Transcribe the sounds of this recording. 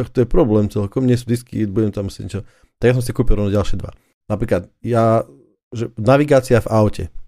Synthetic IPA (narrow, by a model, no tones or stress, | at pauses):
ɔxt̪ɔjɛpɾɔblɛːmt͡sɛlkɔmɲɪɛs̬ud̪iskḭd̪buɟɛmt̪amusɛ̰ɲɛt͡ʃɔ | t̪aɡjasɔms̬ɛkuːpilɔnɔɟalʃɪɛd̪ʋa̰ | napɾiːklat̪ja | ʒɛnaʋiɡaːt͡siavaʊcɛ̰